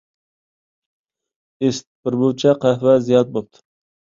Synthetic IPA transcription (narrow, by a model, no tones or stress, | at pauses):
est̪̚bɪɾbowt͡ʃʰaqʰahvazijɑt̪̚bop̚t̪ʰɪ̥